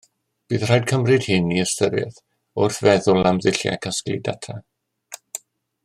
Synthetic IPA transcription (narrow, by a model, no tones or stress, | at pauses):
b̥ɨːð̥r̥ajd̚kʰəmrɨd̥hɪniəstəɾɛ̰θ | ʊrθvɛðʊlˠamðɪɬja̰kʰasklḭdatʰa